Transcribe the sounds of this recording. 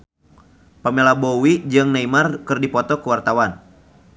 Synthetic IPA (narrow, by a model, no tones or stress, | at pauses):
pamelabowid͡ʒɨŋnaimarkɨrdipɔt̪ɔkuwart̪awan